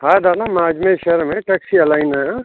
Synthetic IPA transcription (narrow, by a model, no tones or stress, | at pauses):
ɦad̪anamaːd͡ʒmẽʃeɾmẽʈeksiɐlaːɪnaa